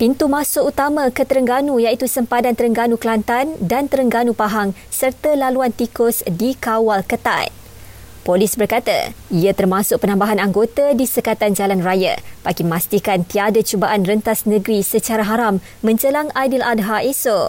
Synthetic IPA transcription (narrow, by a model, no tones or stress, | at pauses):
pint̪umasʊʔut̪amãkət̪əɾəŋɡanujait̪usəmpadant̪əɾəŋɡanuklant̪andant̪əɾəŋɡanupaɦaŋ | sərt̪alaluant̪ikʊsdikawalkət̪a̰j | polisbərkat̪a̰iat̪ərmãsʊk̚pənãmbaɦanaŋɡot̪adisəkat̪and͡ʒalanraja̰paɡimast̪ikant̪iadat͡ʃubaʔanrənt̪asnə̃ɡɾisət͡ʃaɾaɦaɾamːə̃ɲt͡ʃəlaŋadilʔad̚ɦaʔeso